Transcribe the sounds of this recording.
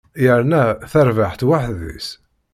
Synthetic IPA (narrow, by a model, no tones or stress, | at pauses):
jəɾˤnæθəɾvaħt̪waħðḭs